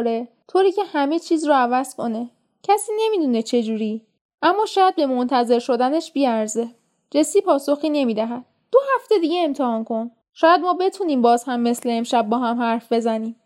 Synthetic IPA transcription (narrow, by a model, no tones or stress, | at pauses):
ɾet̪ʰoːɾiːcʰe̞hæme̞t͡ʃʰiːzrɔævæz̥kʰo̞ne̞ | cʰæsiːne̞mid̪une̞t͡ʃʰe̞d͡ʒuːɾi | ʔæmːɒːʃɒːjæd̪̚be̞mo̞nt̪ʰæze̞ɾʃo̞d̪æne̞ʃbiæɾze̞ | d͡ʒe̞siːpʰɒːso̞xiːne̞miːd̪æɦæd̪̥ | d̥̪o̞hæft̪e̞d̪iːɟeemt̪ʰehɒːnkʰo̞n | ʃɒːjæd̪mɒːbe̞t̪ʰuniːmbɒːzhæmːe̞sle̞ːmʃæb̚bːɒːɦæmhæɾfbe̞zæniːm